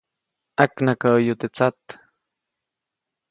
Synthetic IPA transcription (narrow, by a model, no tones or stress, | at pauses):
aknakaəjut̪et͡sat̪